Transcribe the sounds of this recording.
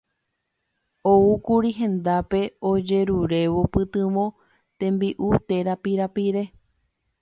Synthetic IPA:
oukuɾiɦẽ̞nd̪ape̞od͡ʒe̞ɾuɾe̞ʋopɨt̪ɨ̃ʋõ̞ | t̪ẽ̞mbiʔut̪e̞ɾapiɾapiɾe̞

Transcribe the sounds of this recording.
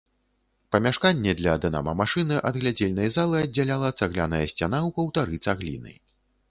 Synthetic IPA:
pɐmʲaʂkanʲːɛd̪lʲɐd̪ɐna̰mɐ̰maʂɨnɨʔɐd̪ɣlʲad͡zʲelʲnɐjzalˠɨɐd͡zʲːalʲalˠɐt̪saɣlʲanɐjɐsʲt͡sʲanawpɐwt̪aɾɨt̪saɣlʲḭnɨ̰j

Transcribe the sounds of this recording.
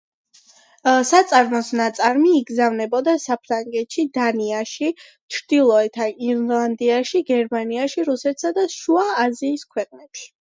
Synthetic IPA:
sat̪sʼaɾmɔsnat̪sʼaɾmiːɡzavnɛbɔd̪asapʰɾaŋɡɛt̪ʃid̪aniaʃi | t͡ʃʰɾd̪̥ilˠɔɛt̪ʰaiɾlˠand̪iaʃiɡɛɾmaniaʃiɾusɛt̪ʰsad̪aʃuaːziːskʰwɛqʼnɛpʃi̥

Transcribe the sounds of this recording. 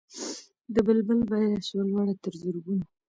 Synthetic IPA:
d̪əbəlbəlbɑjadaʃolwɑɽat̪əɾzəɾɡuna

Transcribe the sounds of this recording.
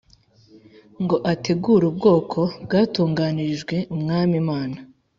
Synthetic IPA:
ŋɡo̞ʔate̞ɡuːɾub̚ɡo̞ːkʰo̞bɡaːtuːŋɡaːniʒɡwe̞umŋaːmimaːna

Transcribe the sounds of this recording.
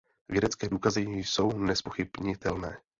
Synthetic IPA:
vjɛdɛt͡skɛːduːkazɪjso̞wnɛspoxɪbɲɪt̪ɛlnɛː

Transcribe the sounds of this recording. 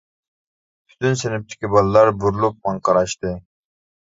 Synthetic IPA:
pʰy̥t̪ʰynsenɪp̚t̪ʰɪ̥kʲibɑlˠɨlˠɑɾbuɾulˠup̚mɑɴqɑɾɑʃt̪ɨ

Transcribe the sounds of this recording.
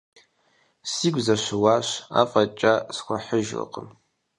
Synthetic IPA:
siɡʷzaʃʷʊwaʃʷa̰fʼat͡ʃʼaskʷaħəʒla̰qʼə̰m

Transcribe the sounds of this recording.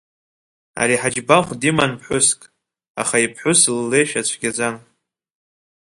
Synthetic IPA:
a̰ɾiħad͡ʒbaχʷdimanpʰħʷʊskʼ | a̰χaipʰħʷʊslːejʃᶣat͡ɕʷʰɡʲad͡zan

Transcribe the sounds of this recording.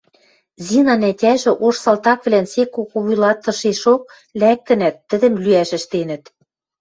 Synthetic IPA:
zʲinɑnætʲæʒɘ̆ʔoʃsɑlt̪ɑkβlænsekokoβujlɑt̪ːɤ̆ʃeʃok̚ | læk̚t̪ɘ̆næt̪ːɘ̆d̪ɘ̆mlyæʃɘ̆ʃt̪enə̆t̪

